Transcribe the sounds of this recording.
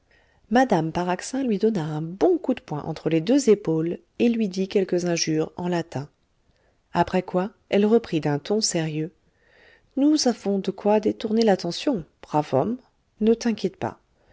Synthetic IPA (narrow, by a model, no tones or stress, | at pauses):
mad̪ampaʁaksɛ̃lɥid̪ɔnaɛ̃bɔ̃kud̪əpwɛ̃ʔɑ̰̃t̪χəled̪øzepol | elɥid̪ikʲɛlkəzɛ̃ʒyːʁɑ̰̃lat̪ʰɛ̃ | apχɛkwa | ɛlʁəpχid̪ɛ̃t̪ɔ̃seʁjø | nuzavɔ̃d̪əkwad̪et̪uʁnelat̪ɑ̃sjɔ̃b̥ʁavɔ̰m | nət̪ɛ̃kʲjɛt̪pa̰